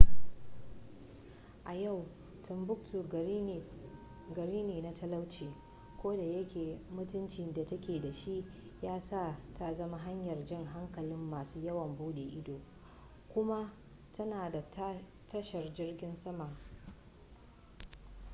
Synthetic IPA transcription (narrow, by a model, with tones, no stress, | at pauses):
ʔa˨ja˦˨w | tʰʊ˨mbʊ˦k̚tuː˨˦˨ | ɡɐ˨ɾiː˦neː˨na˦tʰɐ˦lɐ˦wt͡ʃeː˨ | kʷoː˦da˨jɐ˦kʲeː˨mʊ˦tʊ˦nt͡ʃi˨nda˨tɐ˦kʲeː˨da˨ʃi˦ʔ | jaː˦sa˦˨ta˦zɐ˦ma˦ɦa˦ɲjɐ˨rd͡ʒɪ˦ŋɦa˦ŋkɐ˨lɪ˦mːaː˨suː˦jɐ˦wɐ˨mbuː˦ɗeː˨ʔɪ˦doː˨ | kʷʊ˦ma˦ | tʰɐ˦naː˨da˨ | tɐ˦ʃɐ˨rd͡ʒɪ˦rɡʲɪ˦nsɐ˦ma˨